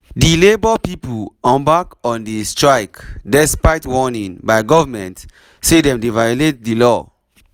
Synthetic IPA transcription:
dilebəpiplɔ̃mbakɔ̃ndistɹaɪkdɛspaɪtwɔnĩŋbaɪɡɔvəmɛ̃nt | sedɛ̃mdevajolet̚dilɔ

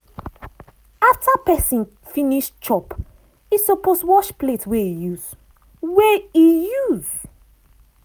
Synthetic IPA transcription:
aftʰapɛsĩn | fĩniʃt͡ʃɔp | isɔposwɔʃpletwɛijuz̥ | wɛijuz̥

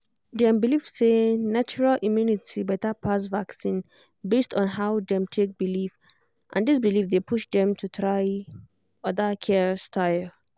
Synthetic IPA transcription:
dɛ̃mbilifsenat͡ʃuɹalʔimjunitibɛtəpʰas̬vaksĩn | bestɔ̃nɦaʊdɛ̃mtʰek̚bilif | ʔã̰ndis̬bilifdepʰuʃd̪ɛ̃mtʰutʰɹaɪ | ʌdəkʰɛstʰaɪl

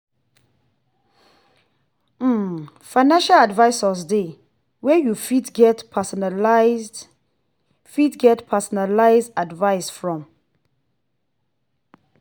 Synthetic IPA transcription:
m̩fãɪnãnʃaladvaɪsɔsde | wɛjufidɡɛtpʰasɔnald | fidɡɛtpʰasɔnalaɪzdadvaɪsfɹɔ̃m

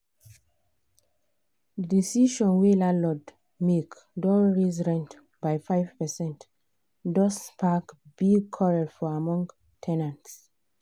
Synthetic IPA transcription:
disiʃɔ̃nwelalɔd | mek | dɔɹiz̬ɹɛ̃nt | bajfaɪv̥pɛsɛ̃nt | dɔspʰakbiɡkʰɔɹɛdfɔamɔ̃ŋɡ | tʰɛ̃nãnts

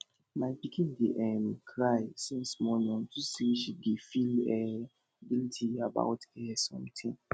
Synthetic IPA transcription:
maɪbikʰĩndeʔɛ̃mkʰɹaɪsĩnsmɔnɔ̃ntʰusiiʃiɡifilɛ | ɡiltʰiaba̰ʊtɛsɔ̰̃mtʰĩŋ

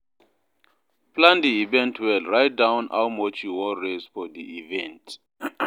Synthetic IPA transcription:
pʰlãndiivɛ̃ntʰwɛlɹajt̚dãwna̰wmɔt͡ʃʰuwɔɹezfɔdiʔivɛ̃nt

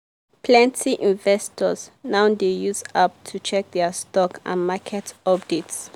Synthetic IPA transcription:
pʰlɛ̃ntʰiʔĩnvɛstʰɔsnaʊdejuzap̚tʰut͡ʃʰɛk̚d̪ɛstɔkʰã̰nmakʰɛtɔpdits

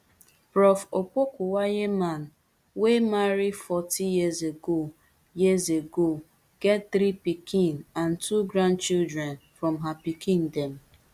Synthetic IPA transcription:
pɾɔfokʷokuwajeman̩ | wemaɾifɔtijizeɡo | jizeɡo | ɡ̥ɛt̚θɾipikĩnan̩tʰuɡɾãnt͡ʃildɾɛnfɾɔmɦapikĩndɛm̩

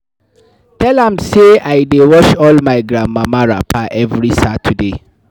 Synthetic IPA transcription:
tʰɛlãmseajdewɔʃɔlmajɡɹãmːamaɹa̰pʰaʔɛvɹisatʰude

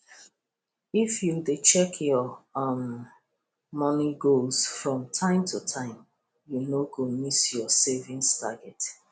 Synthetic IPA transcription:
ifjudet͡ʃɛkʰjɔʌm | mɔniɡolsfɹɔ̃mtʰãɪ̃mtʰutʰãɪ̃m | junoɡomisjɔsevĩŋstaɡɛt

